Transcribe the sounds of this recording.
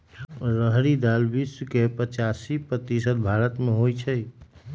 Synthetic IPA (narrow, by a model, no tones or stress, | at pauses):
ɾəɦɾid̪albiskepət͡ʃasipɾət̪isət̪bʱaɾət̪meɦojt͡ʃʰəj